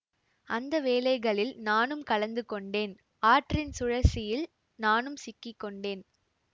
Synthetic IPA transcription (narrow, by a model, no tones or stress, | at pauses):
ʔɐnd̪ɐʋeːlɐɪɣɐɭɪlnaːnɯmkɐlɐnd̪ɯkɔɳɖeːn | aːʈrɪnsʊɻɐsɪjɪl | naːnɯmsɪkːɪkːɔɳɖeːn